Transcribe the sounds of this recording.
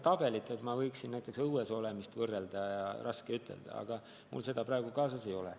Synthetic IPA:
t̪ɑb̥e̞lit̪ːˑet̪mɑvɤjksinnæjt̪ːˑe̞ksɤweso̞le̞mist̪vɤrːeld̪̥ɑjɑrʔɑskeyt̪ʰːˑe̞̰ld̪̥ɑ̰ɑ̰ɡ̥ɑ | mṵlse̞d̪ɑpɾɑeɡ̥ukɑːsɑse̞jo̞lɛ

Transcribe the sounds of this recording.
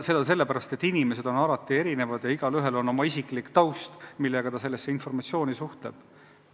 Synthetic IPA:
se̞d̪ɑs̬e̞lːepæɾɑst̪e̞t̪ːinʲime̞se̞d̪̥o̞nɑlɑt̪ːˑie̞ɾine̞vɑd̪̥jɑiɡ̥ɑlyɦe̞lo̞no̞mɑisiklikt̪ɑwst̪milːeɡ̥ɑt̪ɑse̞lːe̞sːe̞info̞rmɑt̪sijo̞ːnisuht̪le̞̰b̥

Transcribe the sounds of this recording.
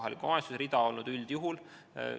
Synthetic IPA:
ɦɑlikuɑesusɾid̪̥ɑo̞lnud̪̥yld̪̥juɦul̰

